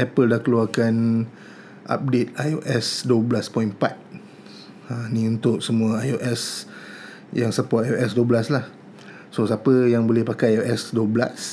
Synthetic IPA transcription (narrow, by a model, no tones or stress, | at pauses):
ʔɛpəldahkəluakan | ʔa̰p̚det̪̚ajoʔɛsduəblaspɔinpat̪̚ | ãniunt̪ʊʔsəmũəajoʔɛs | jaŋsəpɔt̚ajoʔɛsduəblaslah | sosapəjaŋbolɪhpakajaoʔɛsduəbla̰s